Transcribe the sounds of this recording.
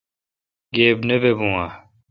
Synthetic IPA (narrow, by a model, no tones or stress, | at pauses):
ɡeːbnebebũːaː